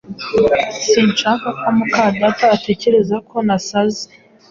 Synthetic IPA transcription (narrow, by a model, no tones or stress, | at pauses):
siːnt͡ʃaːŋkakamukadataːte̞ce̞ɾe̞zakʰo̞nasaze̥